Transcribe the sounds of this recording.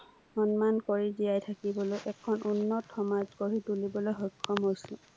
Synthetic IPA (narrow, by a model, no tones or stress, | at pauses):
ɔnmankoɹiziajtʰakibɔlojʔɛkʰːɔnunːɔtːɔmazkoɹitulibɔlojɦɔkʰːɔmɦojsʊ̃